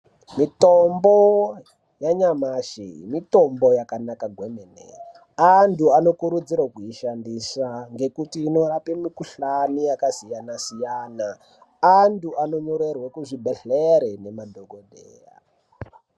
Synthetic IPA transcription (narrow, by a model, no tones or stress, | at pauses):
mitombo | jaɲamaʃḭmito̞mbo̞jakanakaɡʱwemenḛ | andʱuano̞kuɾud͡zirwakuiʃandisaŋɡe̞kutiːno̞ɾapimikuɬanijakasijanasijaːnaː | nduano̞ɲuɾerwakuʐibʱeɬeɾenemadʱoɡodʱeːja̰